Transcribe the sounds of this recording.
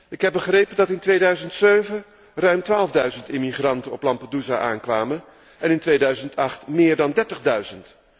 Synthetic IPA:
ɪkɦɛbəχrejpəndɑtɪntʋejdœɥzəntsøɥvə | rœɥmtʋaːlˠvdœɥzəntɪmiχrɑntənɔplɑmpaduzaʔaːnkʋaːmən | ɛnɪntʋejdœɥzəntʰɑχtmɪːɹdɑndɛɹtəχdœɥzənt

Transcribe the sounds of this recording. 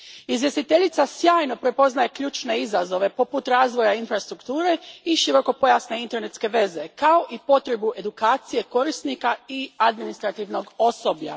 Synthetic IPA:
izʋje̞st̪it̪e̞ʎit̪sasjaːjno̞pɾe̞po̞znaje̞kʎuːt͡ʃne̞izazo̞ʋe̞po̞put̪ɾaːzʋo̞jainfɾast̪ɾukt̪uːɾe̞iʃiɾo̞ko̞po̞jasne̞int̪e̞ɾne̞t̪ske̞ʋe̞ze̞kao̞ʔipo̞t̪ɾe̞buʔe̞d̪ukaːt̪sije̞ko̞ɾist̪nikaiad̪minist̪ɾat̪iʋno̞ɡo̞sobʎa̰

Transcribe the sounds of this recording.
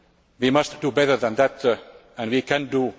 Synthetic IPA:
ðimʌsd̥ubɛɾə˞ðə̃nðæt | ə̃nwikʰæ̃ndu

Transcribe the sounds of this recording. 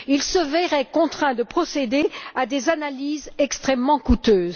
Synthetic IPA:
ilsəvɛʁɛkɔ̃t̪χɛ̃d̪əpχɔsed̪ead̪ezanalizɛkst̪χɛmːɑ̃kut̪øːz

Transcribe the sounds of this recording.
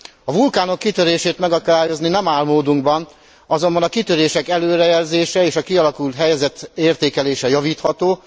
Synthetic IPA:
ɒvulkaːno̞kːit̪ø̞ɾeːʃeːt̪mɛɡɒkɔd̪aːjo̞zninɛmaːlmoːd̪uŋɡbɒn | ɒzo̞mbɒnɒkit̪øɾeːʃɛkɛløːɾɛjɛlzeːʃɛeːʃɒkiɒlɒkult̪ɦɛjɛzɛt̪eːrt̪eːkɛleːʃɛjɒviːt̪hɒt̪oː

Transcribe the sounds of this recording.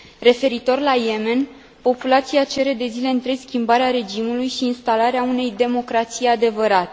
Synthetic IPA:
re̞fe̞ɾit̪o̞rlaje̞me̞n | po̞pulat̪sijat͡ʃe̞ɾe̞d̪e̞zile̞ɨnt̪ɾeskʲimbaɾeaɾe̞d͡ʒimulujʃiːnst̪alaɾeaune̞jd̪e̞mo̞kɾat̪sijad̪e̞vəɾat̪e

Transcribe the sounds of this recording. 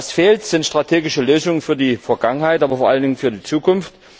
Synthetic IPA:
sfeːltz̥ɪntʃtʁ̥atʰeːɡɪʃəløːzʊŋənfyːɐdiːfɛɐɡaŋənhaɪtʔaːbɐfoɐʔaləndɪŋənfyːɐdiːt͡suːkʰʊnft

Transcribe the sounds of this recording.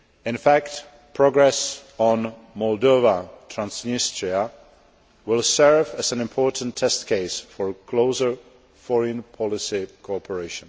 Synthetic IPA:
ɪ̃nfækt | pʰɹɔɡɹɛsɔ̃n | mɔlˠdovatʰɹãnsnɪstɹia | wɪlˠsɜɹvæzæ̃nɪ̃mpʰɔɹtntʰːɛstkʰeɪsfɔɹkʰloʊzə˞ | fɔɹə̃npʰɔlɪsikʰoɔpʰəɹeɪʃə̃n

